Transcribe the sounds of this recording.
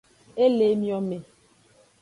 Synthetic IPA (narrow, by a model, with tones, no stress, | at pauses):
e˦le˨˦mjɔ˦me˨